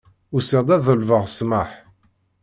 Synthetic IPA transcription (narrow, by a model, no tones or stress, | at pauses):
ʊseʁd̪ˤæðəlvəʁsməħ